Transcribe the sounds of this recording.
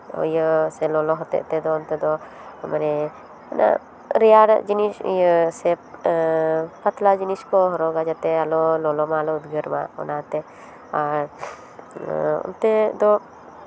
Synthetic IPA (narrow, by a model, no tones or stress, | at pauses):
ɔ̰jəsɛlɔlɔɦɔt̪ɛ̰ʔt̪ɛd̪ɔɔnt̪ɛd̪ɔ | maɾɛ | ana̰ | ɾɛjaɽa̰ʔd͡ʒinisjəsɛ | pat̪lad͡ʒiniskɔɦɔɾɔɡad͡ʒat̪ɛalɔlɔlɔmaːlɔud̪ɡəɾma̰ɔ̰nat̪ɛ | aɾ | ɔ̰nt̪ɛd̪ɔ